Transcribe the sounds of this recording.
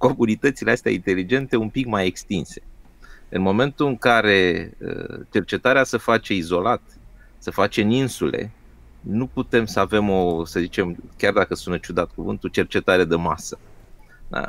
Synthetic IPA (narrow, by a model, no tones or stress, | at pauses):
ko̞munit̪ət̪sileast̪ea̰int̪e̞lid͡ʒe̞nt̪e̞umpikmaje̞kst̪inse̞̥ | ɨnmo̞me̞nt̪uɨŋkaɾe̞ə̰t͡ʃe̞rt͡ʃe̞t̪aɾeasəfat͡ʃe̞izo̞lat̪ | səfat͡ʃe̞ɨninsule̞̰ | nuput̪e̞msəave̞mo̞səzit͡ʃe̞mkʲard̪akəsunət͡ʃud̪at̪̚kuvɨ̰nt̪ut͡ʃe̞rt͡ʃe̞t̪aɾed̪e̞masə̥ | d̪a̰